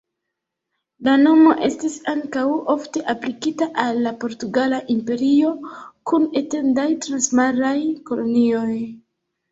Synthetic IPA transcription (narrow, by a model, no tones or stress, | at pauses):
lano̞mo̞ʔe̞̰stisaŋkawo̞fte̞ʔaplikitaʔalːapo̞ɾtuɡalaʔimpe̞ɾio̞kune̞te̞ndajtɾansmaɾajko̞lo̞nio̞j